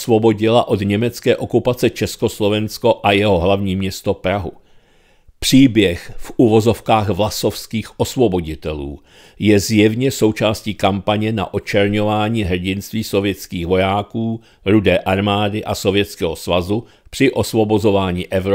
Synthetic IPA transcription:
svo̞bo̞ɟɪlaʔo̞dɲɛmɛt͡skɛːʔo̞kupat͡sɛt͡ʃɛsko̞slo̞vɛnsko̞ʔajɛɦo̞ɦlavɲiːmɲɛst̪opɾaɦṵ | pr̝̥iːbjɛxfʔuvo̞zo̞fkaːxvlaso̞fskiːxʔo̞svobo̞ɟɪt̪ɛlṵː | jɛzjɛvɲɛso̞wt͡ʃaːsciːkampaɲɛna̰ʔo̞t͡ʃɛɾɲo̞vaːɲiːɦr̩ɟɪnst̪viːso̞vjɛt͡skiːxvo̞jaːkuː | ɾudɛːʔaɾmaːdɪʔaso̞vjɛt͡skɛːɦosvazu | pr̝̥ɪʔo̞svo̞bo̞zovaːɲiːʔɛvɾo

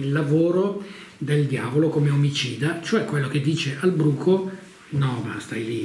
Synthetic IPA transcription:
ilːavoːɾod̪eld̪jaːvolokomeomit͡ʃiːd̪at͡ʃoɛkːwelːok̟ed̪ːiːt͡ʃeʔalbɾuːkʰo | nɔma̰st̪ajli

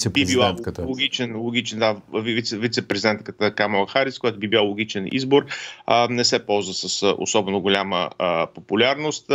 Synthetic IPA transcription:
bbibilˠant̪k̪lˠoɡʲit͡ʃɛnlˠoɡʲit͡ʃɛnd̪avivit̪sɛvit̪sɛpɾɛzid̪ɛnt̪kət̪əkamolˠxaɾiskoʊjat̪ʊbibilalˠoɡʲit͡ʃɛnḭzboɾənɛsɛpɔlˠzvəsəso̰sɔbɛnoɡʊlʲaməəpopʊlʲaɾnost̪

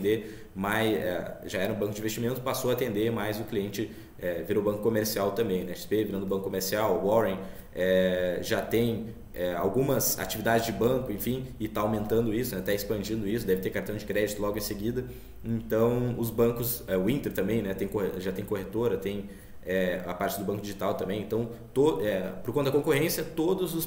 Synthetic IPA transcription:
d̪e | majsɛ̰ʒaɛɾɐũbɐ̃kʊd͡ʒɪĩvest͡ʃimẽnt̪ʊ̥pasowɐat̪ẽnd̪emajzʊkliẽnt͡ʃɪ | ɛviɾoʊbɐ̃ŋkʊ̥komeɾsiawt̪ɐ̃mbẽj̃nɛʃspeviɾɐ̃nd̪ʊbɐ̃kʊkːomeɾsiawwɔɾẽ | ɛʒat̪ẽj̃ | ɛa̰wɡũmɐza̰t͡ʃivid̪ad͡ʒɪzd͡ʒɪbɐ̃ŋkʊẽfĩɪt̪aawmẽnt̪ɐ̃nd̪ʊisʊnɛt̪aɪspɐ̃nd͡ʒĩnd̪ʊisʊd̪ɛvɪt̪eɾkaɾt̪ɐ̃w̃d͡ʒɪkɾɛd͡ʒit̪ʊlɔɡʊẽseɡid̪ɐ | ẽnt̪ɐ̃w̃ʊzbɐ̃ŋkʊsɛʊĩnt̪eɾt̪ɐ̃mbẽj̃nɛt̪ẽj̃koheʒat̪ẽj̃kohet̪oɾɐt̪ẽj̃ | ɛa̰paɾt͡ʃɪd̪ʊbɐ̃ŋkʊd͡ʒiʒit̪awt̪ɐ̃mbẽj̃ẽnt̪ɐ̃w̃t̪oɛpoɾkõɐd̪ɐkõŋkohẽsiɐt̪od̪ʊzʊs

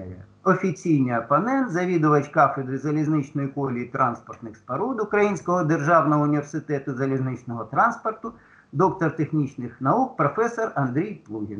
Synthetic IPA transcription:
jɛ | ɔfʲit͡sʲijnɪjɐpɐnɛnt̪zɐʋʲid̪ʊʋɐtʲkɑfɪd̪ɾɪzɐlʲiznɪt͡ʃnɔjikɔlʲijit̪ɾʔɑnspɔrt̪nɪxspɐɾud̪ʊkɾɐjinʲsʲkɔɦɔd̪erʒɑwnɔɦɔʊnʲiʋʲersɪt̪ɛt̪ʊzɐlʲiznɪt͡ʃnɔɦɔt̪ɾɑnspɔrt̪ʊ | d̪ɔk̚t̪ɔrt̪exnʲit͡ʃnɪxnɐuk̚pɾɔfɛsɔrɐnd̪ɾʲijplˠuɦʲin

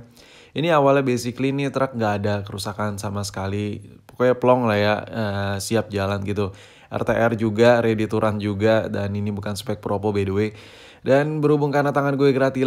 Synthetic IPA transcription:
iniawalabesiklinit̪əɾak̚ŋɡaːdakəɾusakansamasə̥kalipo̥kojapəlɔŋlahjaəsiap̚d͡ʒalanɡit̪u | ʔɛ̰rt̪eʔɛrd͡ʒuɡaɾedit̪uɾand͡ʒuɡadaninibukansə̥pɛk̚pɾopɔbeduwe | danbəɾubʊŋkarnat̪aŋanɡuɛɡəɾat̪i

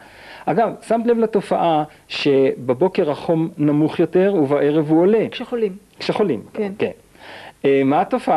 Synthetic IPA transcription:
ʔaɡavsamt̪levlat̪o̞faʔa | ʃe̞bebo̞ke̞ʁaχo̞mnamuχjo̞te̞ʁuvaʔe̞ʁe̞vuole̞olikʃeχo̞limnken | maat̪o̞fa

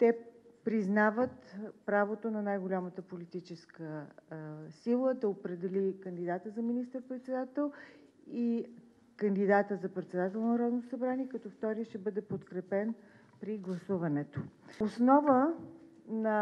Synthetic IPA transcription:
t̪ɛpɾiznavət̪pɾavot̪onɐnajɡolʲamət̪əpolit̪it͡ʃɛskə | silˠəd̪ɛopɾɛd̪ɛlʲikənd̪id̪at̪əzɐminist̪əɾpɾɛt̪sɛd̪at̪ɛlˠ | i | kənd̪id̪at̪əzɐpɾɛt̪sɛd̪at̪ɛlˠnnɐɾɔd̪nt̪osɐbɾaniɛkɐt̪ɔft̪ɔɾiəʃt̪ɛbɤd̪ɛpot̪kɾɛpɛn | pɾiɡlˠɐsuvɐnɛt̪oosnɔvə | nɐ

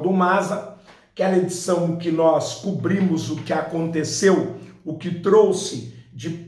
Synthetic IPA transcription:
d̪ʊmazɐ | kɛled͡ʒisɐ̃w̃kɪnɔskubɾĩmʊzʊkɪakõnt̪esewʊkɪt̪ɾowsɪd͡ʒɪ

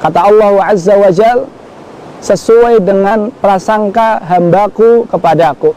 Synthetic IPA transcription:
kat̪aɑlːɑhuʕazːawad͡ʒal | səsuajdəŋanpəɾasaŋkaɦambakukəpadaku

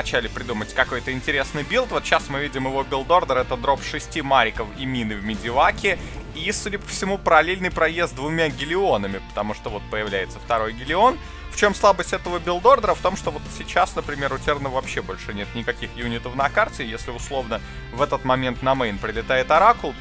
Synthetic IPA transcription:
ɐt͡ɕælʲɪpɾʲɪd̪umətʲkɐko̞jt̪əɪnʲtʲɪɾʲe̞snɨjbʲilˠt̪vo̞t̪ɕasmɨvʲidʲɪmɪvo̞bʲɪlˠd̪o̞rd̪əɾɛt̪əd̪ɾo̞pʂɨsʲtʲimaɾʲɪkəfimʲinɨvmʲɪdʲɪvakʲɪ | isudʲɪpə̥fsʲɪmupəɾɐlʲelʲnɨjpɾɐjest̪̚d̪vʊmʲaɡʲɪlʲɪo̞nəmʲɪpə̥t̪ɐmuʂt̪ovo̞t̪̚pəjɪvlʲæjɪt̪səft̪ɐɾo̞jɡʲɪlʲɪo̞n | ft͡ɕo̞mslˠabəsʲtʲɛt̪əvəbʲɪlˠd̪o̞rd̪əɾəft̪o̞mʂt̪ovo̞t̪sʲɪt͡ɕasnəpɾʲɪmʲe̞ɾʊtʲernəvvɐpɕːebo̞lʲʂɨnʲe̞t̪nʲɪkɐkʲixjunʲɪt̪əfnɐkartʲɪjesʲlʲɪʊslˠo̞vnə | vɛt̪ət̪mɐmʲe̞nt̪nɐmɛjnpɾʲɪlʲɪt̪ajɪt̪ɐɾakʊlˠ

